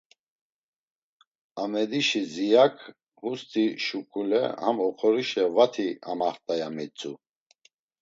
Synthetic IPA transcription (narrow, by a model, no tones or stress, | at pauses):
amɛd̪iʃizijakʰ | ɡust̪ʼiʃukʰʼulɛ̰hamɔχʰɔɾiʃɛvat̪ʰia̰maχt̪ʼajamit͡sʼu